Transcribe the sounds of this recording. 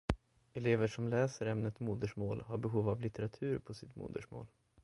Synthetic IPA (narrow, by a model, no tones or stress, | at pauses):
ɛleːvəʂɔmlɛːsəɾɛmnət̪muːd̪əʂmoːlhaɾbɛɦuːvavlɪt̪ɛɾat̪ʰʉ̟ːɾpʰɔsɪt̪mṵːd̪ə̰ʂmo̰ːl